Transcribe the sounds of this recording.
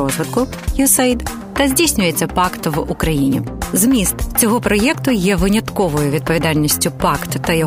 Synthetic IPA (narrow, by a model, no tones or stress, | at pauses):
ɔzʋɪt̪kʊ | jʊsɐid̪ | t̪ɐzʲdʲijsʲnʲʊjet͡sʲːɐpɑkt̪ʋʊkɾɐjinʲḭzmʲist̪t͡sʲɔɦɔpɾɔjɛkt̪ʊjɛʋɪnʲɐt̪kɔʋɔjʊʋʲid̪̚pɔʋʲid̪ɑlʲnʲisʲtʲʊpɑkt̪ʊt̪ɐjɔ